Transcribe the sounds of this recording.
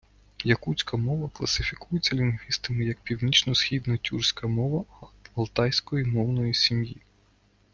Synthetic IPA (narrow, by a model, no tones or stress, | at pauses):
jɐkut͡sʲkɐmɔʋɐklˠɐsɪfʲikujet͡sʲːɐlʲinɦʋʲist̪ɐmɪjɐk̚pʲiwnʲit͡ʃnɔsxʲid̪nɐtʲursʲkɐmɔʋɐɐlˠt̪ɑjsʲkɔjimɔwnɔjisʲimji